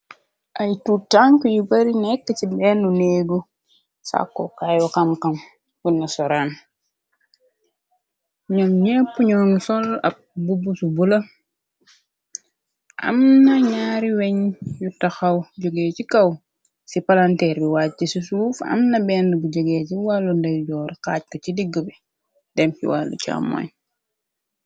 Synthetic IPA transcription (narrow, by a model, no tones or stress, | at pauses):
ʔɐjtuːtaŋkujubɐɾinɛkːəcibɛːnunɛːɡu | sa̰kːɔkajɔkɐmkɐm | wunːɐsɔɾaːn | ɲɔmɲɛpːuɲɔːnsɔlɐ̰p̚bubusubulɐ | ʔɐ̰mnɐɲaːɾiwɛɲjutɐxɐwɟɔɡɛːcikɐw | sipalantɛɾbiwaːt̚cisisuːfɐ̰mnɐbɛːndəbuɟɔɡɛːciwalːundɐjɟɔːɾkaːc̚kɐt͡ʃidiɡːəbɛ | d̥ɛmkḭwa̰lːṵca̰mːɔ̰ɲ